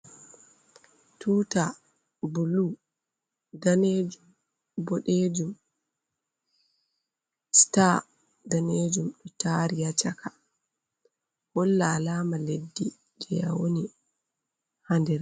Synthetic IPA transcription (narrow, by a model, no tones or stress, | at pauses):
tʰuːta | bulu | daned͡ʒum | bɔɗed͡ʒum | sta | daneːd͡ʒumɗɔtaɾijat͡ʃakʰa | hɔlːalaːmaledːi | d͡ʒɛja̰woni | handɛɾ